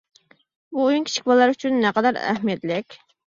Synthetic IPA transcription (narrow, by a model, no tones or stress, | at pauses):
buːjyŋkʲi̥t͡ʃʰi̥kʲblˠɑɾyt͡ʃʰynːɛqɑd̪ɑɾæ̰hmjɛd̪lɪkʲ